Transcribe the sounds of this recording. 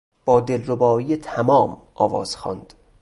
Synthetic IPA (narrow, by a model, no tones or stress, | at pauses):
b̥ɒːd̪elːobɒːiːjet̪ʰæmɒːmʔɒːvɒ̰ːz̥xɒ̰ːnd̪̥